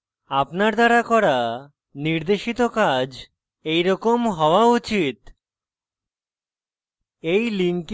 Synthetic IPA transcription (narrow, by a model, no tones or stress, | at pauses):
apnaɾd̪aɾakɔɾa | niɾd̪eʃit̪okad͡ʑ | ejɾɔkomɦɔoaut͡ɕit̪ | ejliŋk